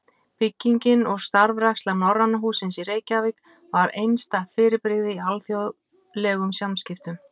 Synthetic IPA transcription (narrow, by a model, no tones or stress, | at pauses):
pɪcːiɲcɪnɔɣst̪aɾvrakst̪lanɔrːanːaɦuːsɪnsiɾeːjcavɪk | vaɾejnst̪aht̪fɪːɾɪpɾɪɣðɪialθjo | lɛɣʏmsjamscɪft̪ʏm